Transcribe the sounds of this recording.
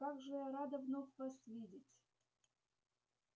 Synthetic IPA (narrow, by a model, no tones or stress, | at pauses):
aɡʐɨɾad̪əvnofʲvasvʲidʲɪtʲ